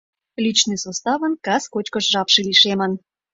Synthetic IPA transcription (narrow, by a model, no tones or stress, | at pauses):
lit͡ɕnɨjsost̪ɑβə̆nkɑskot͡ɕkəʃʒɑpʃeliʃemən